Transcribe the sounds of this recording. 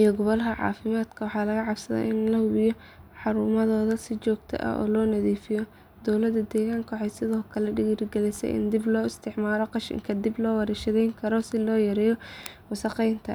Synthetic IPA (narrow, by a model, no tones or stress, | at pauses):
ʔijɔɡɔβɔlɦɐʕɑ̰ːfɪmaːd̪kʰɐwɑħɑːlɐɣɐʕɑbsɐðɛ̰ʔɪnlɐhʊβɪjɔ | ħɑɾuːmɐðɔːðɐsɪt͡ʃɔːɡt̪ʰɐ̰ʔɐ̰ɔ̰ːlɔːnɐðiːfɪjɔ | d̪ɔwlɐd̪ɐd̪ɛːɣaːŋkʰwħɑjsɪðɔːkʰɐlɛɖɪɣɪrɡɛlɪsɛ̰jʔɪ̰nd̪ɪblɔːɪst̪ʰɪʕmaːlɔqɑʃɪ̰ŋkʰɐd̪ɪblɔːwɐɾɛʃɐðɛjŋkʰɐɾɔsɪlɔːjɐɾɛːjɔwʊsɑqɛjnt̪ʰɐ̰